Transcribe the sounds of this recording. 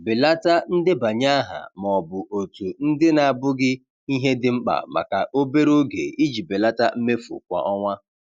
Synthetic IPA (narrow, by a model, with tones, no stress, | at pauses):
bɪ˨la˦ta˦n̩˦dɪ˦ba˨ɲa˦a˦ɦa̰˨m˨ɔ˨bʊ˨ʔo˨tu˨n̩˦dɪ˦na˨a˨bʊ˦ɡɪ˦ | i˦ɦe˦dɪ˦ŋ͡m̩˦k͡pa̰˨ma̰˨ka̰˨ʔo˦be˦ɾo˦ɡḛ˨i˦d͡ʒi˨be˨la˦ta˦m̩˦me˦fṵ˨kʷa̰˨ʔɔ˦ŋʷa˦